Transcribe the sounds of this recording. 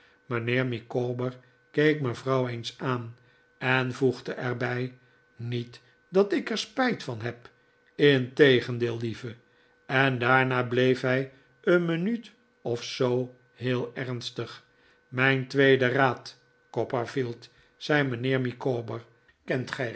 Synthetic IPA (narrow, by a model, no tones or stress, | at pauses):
mənɪːɹmikoːbəɹ | kejkməvrɑwejnsaːn | ɛnvuχdəʔɛɹbɛj | nit | dɑtɪkɛɹspɛjtfɑnɦɛp | ɪntejχəndɪːlˠdivə | ɛndaːɹnaːblejfɦɛj | ənmənyt | ɔfsow | hɦɪːlˠɛrnstəχ | mɛjntʋejdəraːt | kɔpəfilˠt | sɛjmənɪːɹmikoːbəɹ | kɛntχɛ